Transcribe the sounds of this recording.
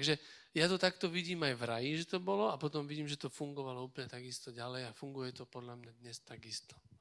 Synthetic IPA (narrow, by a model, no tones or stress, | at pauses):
t̪aɡʒɛ | jat̪ɔt̪akt̪ɔʋiɟiːmajvɾajiʒɛt̪ɔbɔlɔapɔt̪ɔmʋiɟiːmʒɛt̪ɔfuŋɡɔʋalɔuːplɲɛt̪aɡist̪ɔɟalɛjafuŋɡujɛt̪ɔpɔd̪ʎamɲad̪ɲɛst̪aɡist̪ɔ̥